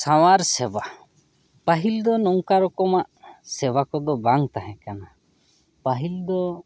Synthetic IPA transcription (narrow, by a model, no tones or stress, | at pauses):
saw̃aɾsɛba | paɦild̪ɔnɔŋkaɾɔkɔmaʔsɛbakɔd̪ɔbaŋt̪aɦɛ̃kana | paɦild̪ɔ